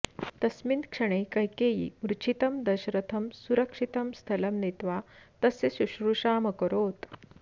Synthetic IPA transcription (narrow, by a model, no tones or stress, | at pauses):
t̪əsmint̪kʂəɽ̃ekəjkejḭmɾut͡ɕʰit̪əmd̪əɕɾət̪ʰəmsuɾəkʂit̪əmst̪ʰələmnet̪ʋat̪əsesuɕɾuʂaməkəɾot̪